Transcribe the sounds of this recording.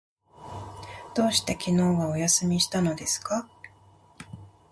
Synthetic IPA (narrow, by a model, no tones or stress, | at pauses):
d̪̥o̞ːɕi̥t̪e̞kʲino̞ːɡao̞jasɨmʲiɕi̥t̪ano̞d̪e̞sɨ̥ka